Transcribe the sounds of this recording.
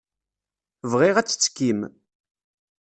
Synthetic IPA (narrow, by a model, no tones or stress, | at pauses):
vʁiʁæt͡sːə̥t͡sːkːim